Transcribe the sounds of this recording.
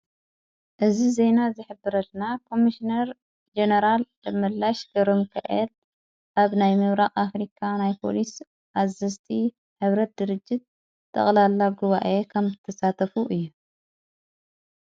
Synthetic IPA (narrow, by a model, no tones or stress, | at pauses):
ʔɨzizenazɨħɨbːɨɾɐlnakʰo̞miʃinɐɾ | d͡ʒenɐɾal | ɨmɨlːaʃɡɐɾomkʰa̰ʔel | ʔaβnajmɨβɾaχʼafɾikʰanajpʰo̞̰lis | ʔazɐst̪ʰi | ħɨβɾɐt̪̚d̪ɨɾɨd͡ʒːɪt̪̚ | t̪ʰʼːɐ̰χʼlalːaɡuβaʔekʰɐmzɨt̪ʰɐsat̪ʰɐfuʔɨjːu